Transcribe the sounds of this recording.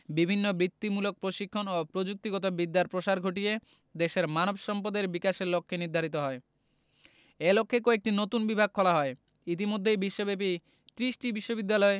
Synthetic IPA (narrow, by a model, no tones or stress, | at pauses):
bibʱinːobɾit̪ːimulok̚pɾoʃikʰːonopɾod͡ʑuk̚t̪iɡɔt̪obid̪ːaɾpɾoʃaɾɡʱoʈije | d̪eʃeɾmanobʃɔmpod̪eɾbikaʃeɾlokʰːeniɾd̪ʱaɾit̪oɦɔe | elokʰːekoek̚ʈinot̪unbibʱaɡ̚kʰɔlaɦɔe | it̪̬imod̪ʱːejbiʃːobep̬i | t̪ɾisʈibiʃːobid̪ːalɔe